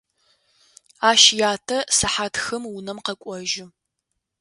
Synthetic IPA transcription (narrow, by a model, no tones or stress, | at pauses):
aːʃjaːtʰɐsɐħatxɨmwʊnɐmqɐkʷʼɔʒɪ